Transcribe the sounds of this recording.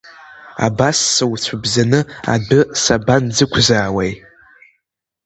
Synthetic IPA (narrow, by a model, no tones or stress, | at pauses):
a̰basːɨwt͡sʷʰabzanɨa̰dɨsaband͡zɨkʷʰzaːwej